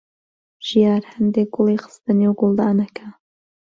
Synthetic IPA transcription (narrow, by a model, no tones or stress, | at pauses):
ʒ̥ijɑːɾhɐnd̪eːk̚ɡ̥ʊlˠiːxɨ̥st̪ɨnewɡʊlˠd̪ɑːnɐkʰa